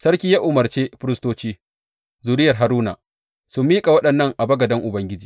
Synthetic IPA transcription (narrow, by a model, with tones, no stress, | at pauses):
sɐ˦ɾkʲiː˦jaː˦ʔʊ˨mɐ˨rt͡ʃeː˦ɸʊ˦ɾɪ˦stoː˦t͡ʃiː˦ | zuː˨ɾɪ˦jɐ˨rɦa˨ɾuː˦na̰˨ | sʊ˨mːiː˦kʼa˨wɐ˦ɗɐ˨nːɐ˦ŋʔa˨bɐ˦ɡɐ˨dɐ˦ŋʔʊ˨bɐ˦ŋɡʲɪ˦d͡ʒiː˨